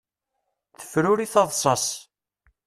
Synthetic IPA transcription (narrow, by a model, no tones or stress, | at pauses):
θə̥fɾʊɾiθɑðˤsˤɑs